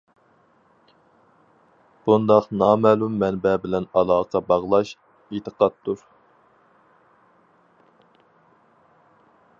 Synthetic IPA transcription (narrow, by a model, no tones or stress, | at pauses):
b̥und̪ɑqnɑːmɛlumːɛnbɛbɪlɛnɑlˠɑːqʰɑbɑʁlˠɑʃ | et̪əqɑt̪ʰːuɾ